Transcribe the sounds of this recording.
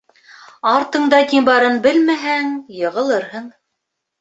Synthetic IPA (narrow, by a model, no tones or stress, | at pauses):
ɑɾt̪ɤ̆ɴd̪ɑt̪ʲimbɑɾɤnbɘlmæɦæŋjɤ̆ʁɤ̆lˠɤɾɦɤɴ